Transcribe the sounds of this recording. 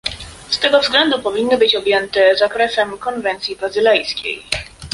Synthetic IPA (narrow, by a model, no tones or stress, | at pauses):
st̪ɛɡɔvzɡlɛnd̪upɔvʲinːɘbɘt͡ɕɔbʲjɛnt̪ɛzakɾɛsɛmkɔnvɛnt̪sʲjibazɘlɛjskʲḛj